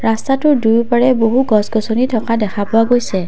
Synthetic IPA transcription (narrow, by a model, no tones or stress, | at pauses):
ɹastatʊdujpaɹɛboɦuɡɔsɡɔsonitʰɔkadɛkʰapʊaɡojsɛ